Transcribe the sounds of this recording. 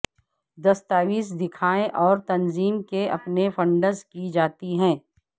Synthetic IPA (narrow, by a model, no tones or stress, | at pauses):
d̪ɐst̪aːʋiːs̬d̪ɪkʰaːẽʔɔːɾt̪ɐnziːmkeʔɐ̰pnefɐ̃ɳɖəɾzkid͡ʒaːt̪iɦɛ̃ː